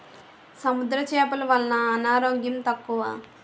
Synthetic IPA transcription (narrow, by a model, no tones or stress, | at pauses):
sɐmud̪ɾɐt͡ʃɛːpɐluʋɐlːɐnɐːnaːɾoːɡjɐmt̪ɐkːuʋaː